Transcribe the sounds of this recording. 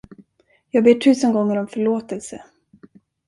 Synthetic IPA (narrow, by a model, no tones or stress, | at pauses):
jɑːɡbeːʈʰʉ̟ːsənɡɔŋːəɾɔmfœɭoːt̪ɛlsə